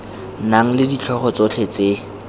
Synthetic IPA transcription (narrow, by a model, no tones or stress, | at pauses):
naŋ̩lɪdit͡ɬʰɔχɔt͡sot͡ɬʰet͡se